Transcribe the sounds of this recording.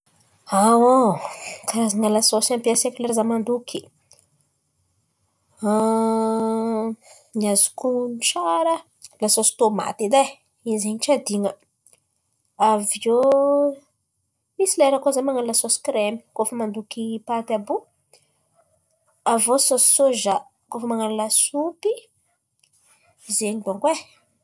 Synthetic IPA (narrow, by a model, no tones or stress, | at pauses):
awokaɾazaŋalasosampiasekulaɾazamand̪ukʰi̥ | niazu̥kunʈ͡ʂaɾə | lasosi̥t̪oma̰t̪id̪a | izeɲʈ͡ʂad̪iŋə | avio | misilaeɾakozamaŋallasosi̥kɾemi̥kofəmand̪ukipat̪abu | avososi̥soʒa | kofəmaŋalulasupi | zeɲib̪oŋkwe